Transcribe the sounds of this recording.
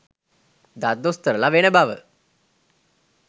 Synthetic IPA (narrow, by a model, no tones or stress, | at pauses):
d̪ad̪ːost̪əɾəlaʋenəbaʋə̰